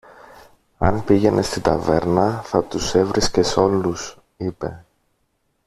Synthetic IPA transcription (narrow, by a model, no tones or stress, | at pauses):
ɐ̰npiʝe̞nʔe̞st̪id̪ɐ̰ve̞ɾnɐθɐt̪use̞vɾʔisce̞so̞lus | ipe̞̰